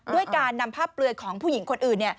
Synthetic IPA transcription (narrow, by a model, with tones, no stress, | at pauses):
du˥˩əjkaː˧nːa˧mpʰaː˥˩pːlɯ˧ənkʰɔː˩˦ŋpʰuː˥˩ji˩˦ŋkʰo˧nʔɯː˨˩nːi˥˩ə